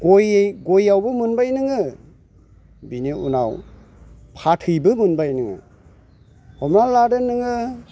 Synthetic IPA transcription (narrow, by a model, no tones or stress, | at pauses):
ɡojɡojawbɯmɯnbajnɯŋɯ | biniʔṵna̰w | pʰatʰɯjbɯmɯnbajnɯŋɯ̰ | hɔmnaladɯnɯŋɯ